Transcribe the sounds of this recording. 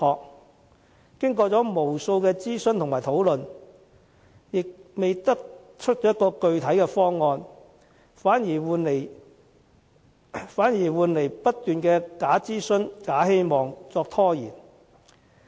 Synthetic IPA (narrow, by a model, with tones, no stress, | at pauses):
hɔː˨k̚ | kɪ˥ŋkɔː˧t͡sɔː˨˥mo˨˩wso˧wkɛː˧t͡siː˥snt̪ʰʊ˨˩ŋmaː˨˩t̪ʰo˨˥wlɵ˨n | jɪ˨k̚me˨jt̪ɐ˥k̚ | t͡ʃʰɵ˥t̚t͡ʃɔː˨˥jɐ˥kɔː˧kɵ˧ɥt̪ʰɐ˨˥jkɛː˧fɔː˥ŋːɔː˧n | faː˨˥njiː˨˩wne˨˩ | faː˨˥njiː˨˩wuː˨nle˨˩jpɐ˥t̚t̪yː˨nkɛː˧kaː˨˥t͡siː˥sɵ˥nkaː˨˥he˥jmɔː˨ŋt͡sɔː˧k̚t̪ʰɔː˥jiː˨˩n